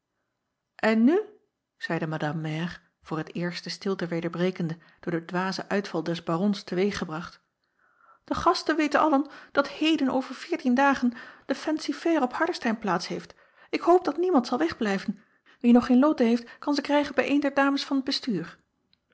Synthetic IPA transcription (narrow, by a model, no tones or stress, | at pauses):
ʔɛnːy | z̥ɛjdəmadɑmːɛr | v̥ʊːɹətɪːɹstəstɪlˠtəʋejdəɹbrejkəndə | d̥ʊːɹdədʋaːzəʔœɥtfɑlˠdɛzbarɔnstəʋejχəbrɑχt | d̥əχɑstənʋejtənʔɑ̰lənd̥ɑthejdəno̰wvəɹv̥ɪːɹtindaːχənd̥əfɛnsifɛrɔphɑɹdəɹstɛjnplaːtsɦejft | ɪkhowp̚d̥ɑtnimɑntsɑlˠʋɛχblɛjvən | ʋinɔχejnlowtəɦejftkɑnzəkrɛjχənbɛjʔejndɛɹdaːməsfɑnəd̚bəstyːɹ